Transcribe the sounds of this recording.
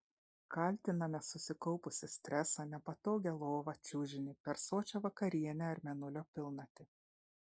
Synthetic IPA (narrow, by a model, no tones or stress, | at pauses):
kɐˑlʲt̪ʲɪnɐmʲɛsʊsʲɪkɒʊpʊsʲɪsʲt̪ʲɾʲɛsɑnʲɛpɐt̪oːɡʲɛlˠoːʋɐt͡ʃʲuːʒʲɪnʲɪpʲɛɾsoːt͡ʃʲoʋɐkɐɾʲiɛnʲɛɐɾʲmʲɛnʊlʲoːpʲɪlˠnɐt̪ʲɪ